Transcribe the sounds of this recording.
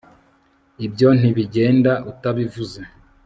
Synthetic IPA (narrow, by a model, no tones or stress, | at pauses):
ibjo̞n̥iβiɟe̞ːndaʔutaβivuze